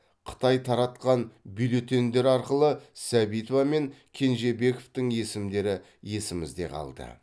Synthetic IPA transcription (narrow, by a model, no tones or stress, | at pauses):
qʰə̥t̪ɑjt̪ʰɑɾɑt̪qɑnbilot̪e̞nd̪e̞ɾɑɾqəlˠəsæbijt̪ovɑme̞ŋkʲʰe̞nʒe̞be̞koft̪ɪŋje̞sɪmd̪e̞ɾɪ | je̞sɪmɪ̰zd̪e̞̰qʰɑ̰lˠd̪ə̰